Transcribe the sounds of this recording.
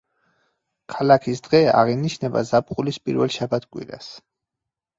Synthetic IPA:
kʰalakʰisd̪̥ʁɛa̰ʁiniʃnɛba̰zap̚χʼulispʼḭɾvɛlˠʃabat̪ʰkʼwḭɾa̰s

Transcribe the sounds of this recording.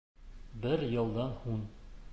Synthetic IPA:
bɘɾjɤ̆lˠd̪ɑnhun

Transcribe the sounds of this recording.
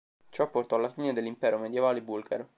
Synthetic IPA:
t͡ʃɔpːort̪ɔalːafiːned̪elːimpɛːɾomed̪jevaːlebulɡaɾo

